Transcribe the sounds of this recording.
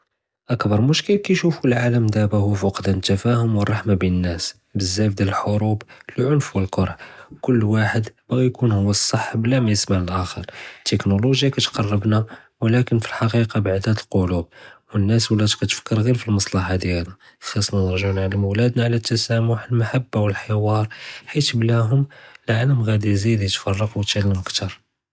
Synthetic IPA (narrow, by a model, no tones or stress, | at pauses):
ʔækbɑɾˤmʊʃkəlkæjʃufulʕaləmd̪æbæhʊwfɑqd̪ænt̪ːæfæhʊmwərˤːɑħmabinənːæs | bəzːæfd̪æləlħoɾublʕʊnfwəlqoɾˤħkʊlːwaħəd̪b̥ɣijkunhʊwːəsˤːɑħːbəlæmæjəsmaʕəlʔæxəɾˤt̪ːəknoloʒjakæt̪qɑrˤːɑbna | wlækənfilħɑqiqɑbaʕd̪æt̪əlqolub̚wənːæswlæt̪kæt̪fə̥kːəɾɣiɾfilmɑsˤlɑħad̪jælæ | xɑsˤnænəɾʒʕunʕalæmʊwlæd̪naʕlæt̪ːæsæmʊħəlmaħabːawəlħəwɑɾˤħit̪blæɦʊməlʕaləmɣæd̪izid̪it̪fɑrˤːɑqwt̪ælːəmkt̪ɑɾˤ